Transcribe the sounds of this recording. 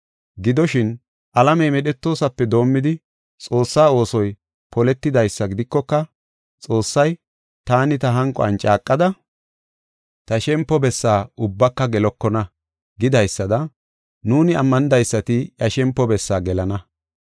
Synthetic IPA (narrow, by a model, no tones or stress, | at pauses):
ɡɪd̪ɔʃɪn | ʔɐlɐmɛjmɛɗɛt̪ːo̞ːsɐpːɛd̪o̞ːmːɪd̪ɪ | t͡sʼo̞ːsːaːo̞ːsɔj | pɔlɛt̪ːɪd̪ɐjsːɐɡɪd̪ɪkːɔkːɐ | t͡sʼo̞ːsːɐj | t̪aːnɪt̪ɐɦɐŋkʼɔ̰ɐ̰nt͡ʃʼaːkʼːɐd̪ɐ | t̪ɐʃɛmpːɔbɛsːaːʊbːɐkːɐɡɛlɔkːɔnɐ | ɡɪd̪ɐjsːɐd̪ɐ | nuːnɪɐmːɐnɪd̪ɐjsːɐt̪ɪjɐʃɛmpːɔbɛsːaːɡɛlɐnɐ